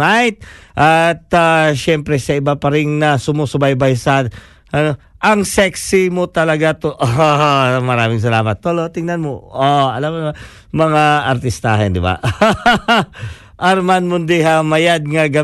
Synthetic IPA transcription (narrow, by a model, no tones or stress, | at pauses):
ajt̪̚ʔat̪aʃɛmpɾɛsɐʔɪbapɐɾɪŋnɐsʊmosʊbajbajsɐd | ʔɐno | ʔɐŋsɛksɪmot̪ɐlɐɡat̪oʔo | mɐɾaːmɪŋs̬ɐlaːmɐt̪̚ːolot̪ɪŋnanmoʔoʔɐlamna | mɐŋaɐɾt̪ɪst̪aːɦɛnd̪ɪba̰ʔ | ʔɐɾmanmʊnd̪iɦamɐjad̪̚ŋɐɡɐ